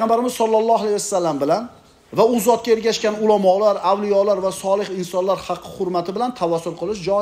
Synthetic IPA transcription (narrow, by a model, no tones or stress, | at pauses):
ɑmbaɾɪmɪz̥sɒlˠːɑlˠːɒalajasːalːambɪlan | vaʊzɒt̪̚kʲaeɾɡʲaʃkʲanʊlamɒlaɾawlijɒlaɾvasɒlˠɨhɪnsɒnlaɾhɑqʰːɨ̥hʊɾmat̪ʰɪbɪlant̪ʰavasːʊlˠqʰɨlˠɪʃ̬d͡ʒɒ